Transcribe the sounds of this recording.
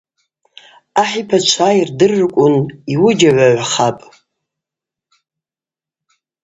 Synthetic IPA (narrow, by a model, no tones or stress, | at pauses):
aħipʰat͡ʃʷʰaːirdɨrːkʷʼʊniwʊd͡ʒaʕʷaʕʷχapʼ